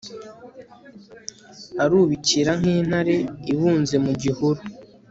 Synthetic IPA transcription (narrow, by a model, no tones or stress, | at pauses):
haɾuːβiciɾaŋ̥iːn̥haɾe̞iβuːnze̞muɟihuɾu